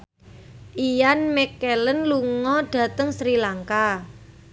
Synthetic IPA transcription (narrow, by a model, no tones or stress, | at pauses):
ʔijanmɛkːɛlənluŋɔɖ̥a̤t̪əŋsɾilaŋka